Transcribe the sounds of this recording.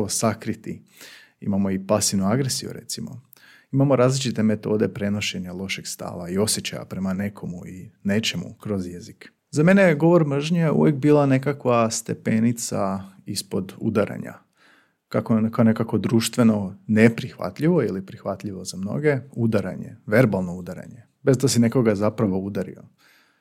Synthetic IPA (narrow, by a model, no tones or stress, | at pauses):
osakɾit̪ḭ | ḭmamo̞ipasiʋnuaɡɾesijṵɾe̞̰t̪simo̞̰ | imamoɾaːzlit͡ʃit̪e̞me̞t̪o̞ːd̪e̞pɾe̞no̞ʃe̞ɲalˠo̞ʃeɡ̥st̪a̰ːʋaio̞sje̞t͡ɕa̰ja̰pɾe̞mane̞kʰo̞muine̞t͡ʃe̞mṵkɾo̞zjezik | zame̞neɡo̞ʋo̞ɾmr̩ʒɲejeṵʋjek̚biːlˠane̞kakʋast̪e̞pe̞nit̪sa | ispo̞d̪ṵd̪aɾʔa̰ɲa̰ | kakokone̞kakʋo̞d̪ɾuːʃt̪ʋe̞no̞nepɾixʋa̰t̪ʎiʋo̞ilipɾixʋat̪ʎiʋo̞zamno̞̰ɡe̞ud̪aɾaɲe̞̰ʋe̞ɾbalˠno̞ud̪aɾa̰ɲe | be̞zd̪asine̞ko̞ɡazapɾaʋo̞ud̪aɾḭo̞̰